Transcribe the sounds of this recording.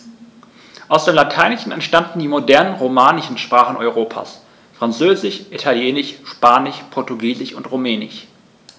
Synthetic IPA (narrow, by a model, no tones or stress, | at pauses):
ʔaʊsd̥eːmlatʰaɪnɪʃn̩ɛ̰ntʃtandn̩diːmodɛɐnənʁomaːnɪʃn̩ʃpʁ̥aːχn̩ɔʏʁ̞oːpʰa̰ːs | fʁ̥ant͡søːzɪʃʔitʰaljeːnɪʃʃpaːnɪçpʰɔɐtuɡiːzɪçʊntʁumɛːnɪ̰ʃ